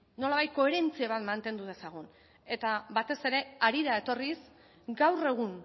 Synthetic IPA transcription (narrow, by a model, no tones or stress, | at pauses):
no̞laβajt̪̚ko̞e̞ɾe̞nt͡siaβ̞at̪mant̪e̞nd̪uðe̞saɣ̞on | e̞t̪aβat̪e̞se̞ɾe̞aɾiɾae̞t̪o̞ris | ɡawre̞ɣ̞un